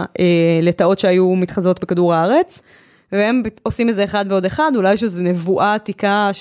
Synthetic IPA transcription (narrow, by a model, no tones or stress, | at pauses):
ʔele̞tao̞tʃeajumit̪χazo̞tbekaduʁaaʁe̞t͡s | vehe̞mbio̞simetzeeːχad̪veo̞deχadulajʃ̬ezenevuʔatika